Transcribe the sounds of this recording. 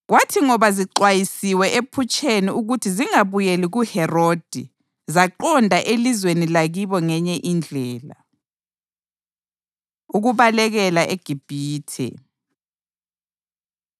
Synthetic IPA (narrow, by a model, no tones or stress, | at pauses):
ɣwatʰiŋɔβaziǃwajisiwɛʔepʰut͡ʃʼeniuɣutʰiziŋaβujeliɣuhɛrod̥ʱi | zaǃɔndʱaʔelizwenilaɣiβɔŋɛɲɛʔind͡ɮʱɛːla̰ | uɣuβalɛɣɛlaʔeɡ̥ʱib̥ʱiːtʰɛ̰